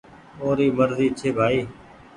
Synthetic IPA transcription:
oːɾiːməɾziːt͡ʃʰeːbʱaːiː

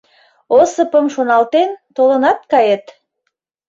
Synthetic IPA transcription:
osəpəmʃonɑlt̪ent̪olə̆nɑt̪̚kɑjet̪

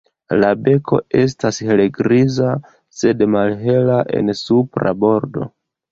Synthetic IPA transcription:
labe̞kʰo̞̰e̞s̬tasheleɡɾiza | se̞dmalɦe̞laʔe̞̰nsupɾa̰bo̞ɾdo̞̰

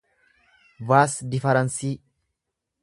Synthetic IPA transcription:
vaːsd̪ɪfɐɾɐnsiː

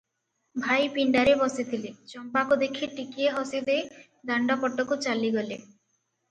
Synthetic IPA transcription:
bʱajpiɳɖaɾebɔsit̪ʰilet͡ʃɔmpakud̪ekʰiʈikieɦɔsid̪e | d̪aɳɖɔpɔʈːɔkut͡ʃaliɡɔle

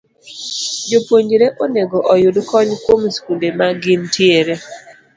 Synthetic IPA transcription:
d͡ʒopwoɲd͡ʒɾeʔoneɡɔʔɔjʊdkɔɲkwomskudemaɡɪntjeɾe

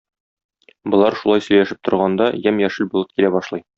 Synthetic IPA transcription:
bŏlˠɑɾʃulˠɑjsɵ̆jlæʃɘp̚t̪ŏɾʁɑnd̪ɑjæmjæʃɘlbulˠɤp̚kilæbɒʃlˠɤj

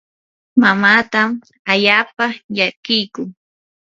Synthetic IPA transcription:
mamaːt̪am | aʎaːpaʎakɪjkʊŋ

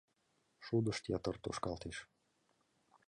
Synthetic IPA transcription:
ʃud̪əʃt̪jat̪ərt̪ṵʃkɑlˠt̪iʃ

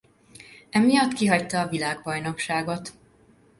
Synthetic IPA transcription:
ɛmijɒt̪kiɦɒct̪ɒːvilaːɡbɒjno̞kʃaːɡo̞t̪

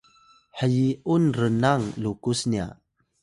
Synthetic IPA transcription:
ħəjiunrənaŋlukusnia̰

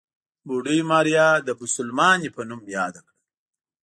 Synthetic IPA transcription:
buɖijmɑːɾijɑd̪əbʊsʊlmɑːnipɐnumjɑːd̪akɽa

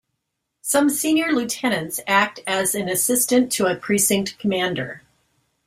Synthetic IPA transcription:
sʌ̃msĩnjə˞lʉtʰɛñɨ̃ntsæk̚tɨzɨ̃nɨsɪstɨ̃ntʰəɨpʰɹ̥isɪ̃ŋk̚tkʰəmæ̃ndə̰˞

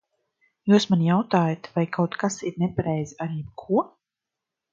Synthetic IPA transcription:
juːsmanjawt̪aːjat̪vajkʰawt̪kasiɾnɛpaɾɛjzaɾiːkʰuɔ

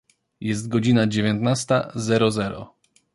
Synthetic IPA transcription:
jɛst̪̚ɡɔd͡ʑinad͡ʑevʲjɛnt̪nast̪azɛɾɔzɛɾɔ̰

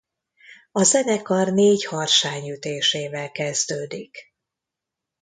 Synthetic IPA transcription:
ɒzɛnɛkɒrneːɟhɒrʃaːɲyt̪eːʃeːvɛlkɛzd̪øːd̪ik

